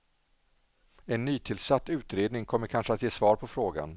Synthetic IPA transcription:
ɛnːyːt̪ʰɪlsat̪ːʉ̟ːt̪ɾeːd̪nɪŋkʰɔmːəɾkʰanʂəat̪jeːsvɑːɾpʰɔfɾoːɡa̰n

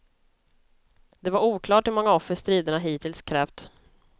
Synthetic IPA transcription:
d̪ɛvaɾuːkʰlɑːʈhɵmɔŋːaɔfːəɾst̪ɾiːd̪əɳaɦiːt̪ʰɪlskʰɾɛːft̪

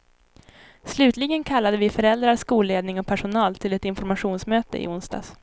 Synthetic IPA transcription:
slʉ̟ːt̪ʰlɪɡənkʰalːad̪əvɪfœɾɛld̪ɾaɾskuːlːeːd̪nɪŋɔpʰæʂʊnɑːlt̪ʰɪlɛt̪ɪnfɔɾmaɧuːnsmøːt̪ə̰ʔɪ̰ʊnst̪ɑ̰ːs

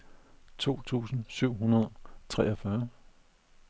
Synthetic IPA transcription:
t͡sʰo̝̰ːt͡sʰṵːsn̩syʊ̰ɦunɐð̞ˠt͡sʰʁɛɐfɶɐ

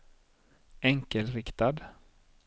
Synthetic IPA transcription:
ɛŋkəlɾɪkt̪ad̪

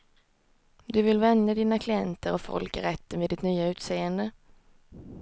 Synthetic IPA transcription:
d̪ɵvɪlvɛnːəd̪iːnakʰlɪɛnt̪əɾɔfɔ̰lkaɾɛt̪ːənveːd̪ɪt̪nyːaʉ̟ːt̪seːənd̪ə

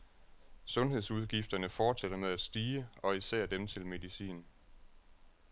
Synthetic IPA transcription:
sɔ̽nɦe̝ð̞ˠsuð̞ˠɡ̥ifd̥ɐnəfɒːd̥seɾ̥ɐmeð̞ˠæd̥sd̥iːəɒ̽isæ̰ɐ̰d̥emt͡sʰe̝lme̝ðˠisḭːn

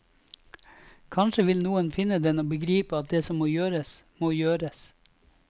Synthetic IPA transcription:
kʰɑnʃəʋɪlnuːənfɪnːəd̪ɛnoːbəɡɾiːpəɑt̪̚d̪eːsɔmːoːjøːɾəsmoːjøːɾəs

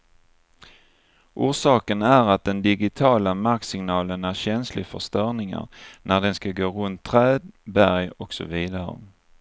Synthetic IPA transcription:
ʔuːʂɑːkənæɾat̪̚d̪ɛnd̪ɪɡɪt̪ʰɑːlamaɾksɪŋnɑːlənæɾɕɛnslɪfœ̰ʂt̪œɳɪŋa̰ɾnʔæɖɛnskaɡoːɾɵnt̪ʰːɾɛːd̪bæɾjɔksɔ̰viːd̪aɾə̰

